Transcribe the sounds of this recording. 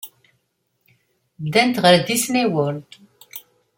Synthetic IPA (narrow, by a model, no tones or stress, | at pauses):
d̪ænt̪ʁəɾðisniwəɾ